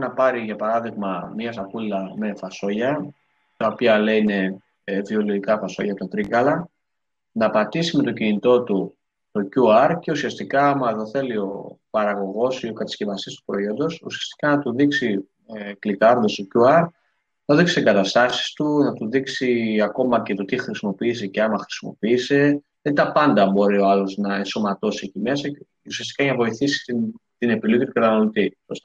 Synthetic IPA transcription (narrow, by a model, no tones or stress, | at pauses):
nɐpɐɾiʝɐpɐɾɐðiɣmɐmɲɐsɐpulilɐme̞fɐso̞ʝɐ | t̪ɐopiɐleine̞ | vio̞liɾikɐfɐso̞ʝɐpot̪ɐt̪ɾiɣɐlɐ | nɐpɐt̪isime̞t̪o̞cinit̪o̞t̪u | t̪o̞cuɐɾce̞usiɐst̪ikɐːmɐeðo̞θe̞lio̞pɐɾɐɣo̞ɣo̞sio̞kɐt̪ɐ̥scevɐst̪ist̪u̥pɾo̞io̞nd̪o̞sṵsiɐst̪i̥kɐnɐt̪uðiksi | klikɐɾðost̪o̞cuɐɾ | nɐoðiksi̥siɡɐt̪ɐst̪ɐsi̥st̪unɐt̪uðiksiɐko̞mɐce̞t̪o̞t̪ixɾisimo̞piːs̬e̞ceɐmɐxɾi̥simo̞piːse̞ | ɐt̪it̪ɐpɐnd̪ɐbo̞ɾio̞ɐlo̞znɐenso̞mɐt̪o̞siecime̞sɐ | usiɐst̪i̥kɐnɐvo̞iθisi̥t̪it̪ine̞pilucit̪ukɐt̪ɐnolot̪iost̪